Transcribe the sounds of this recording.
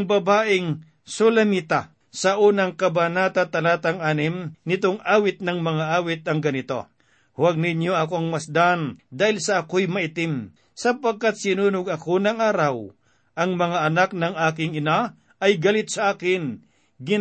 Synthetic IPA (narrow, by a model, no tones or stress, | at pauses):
ŋbɐbaːʔɪŋ | solɐmit̪a | sɐʔuːnɐŋkɐbanaːt̪at̪ɐlaːt̪ɐŋʔaːnɪmnɪt̪oŋʔaːwɪt̪̚nɐŋmɐŋaʔaːwɪt̪̚ɐŋɡɐnɪt̪o̞ | waɡ̚nɪɲjoʔɐkoɐŋmɐsd̪and̪aːhɪlsɐːkojmɐʔɪt̪ɪm | sɐpɐɡ̚kːat̪̚sɪnuːnʊɡɐkonɐŋaːɾɐw | ʔɐŋmɐŋaʔɐnak̚nɐŋʔaːkɪŋɪna | ɐjɡɐlɪt̪̚sɐʔaːkɪn | ɡɪ